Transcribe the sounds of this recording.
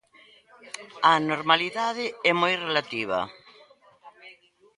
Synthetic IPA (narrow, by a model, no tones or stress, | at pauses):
ɐnoɾmaliðaðɪɛmojrelat̪iβ̞ɐ̰